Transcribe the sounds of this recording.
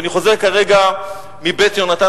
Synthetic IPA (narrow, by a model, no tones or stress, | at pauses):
niχo̞zeʁkaʁe̞ɡa | mibet̪jonat̪a